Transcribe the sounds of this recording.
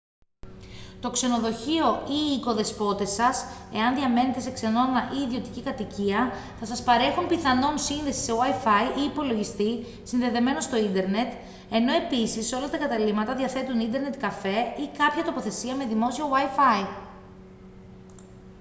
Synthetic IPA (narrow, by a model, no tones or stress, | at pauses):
t̪o̞kse̞no̞ðo̞çio̞iːko̞ðe̞spo̞t̪e̞sɐse̞̰ɐnðiɐme̞ne̞t̪e̞se̞kse̞no̞nɐʔiːðio̞t̪icikɐt̪iciɐ | θɐsɐspɐɾe̞xumpiθɐno̞nsinðe̞si̥se̞wɐifɐiʔiːpo̞lo̞ʝist̪i | sinðe̞ðe̞me̞no̞st̪o̞ind̪e̞ɾne̞t̪ | e̞no̞e̞pisiso̞lɐt̪ɐkɐt̪ɐlimɐt̪ɐðiɐθe̞t̪unind̪e̞ɾne̞t̪kɐfe̞ikɐpçɐt̪o̞po̞θe̞siɐme̞ðimo̞siowɐjfɐi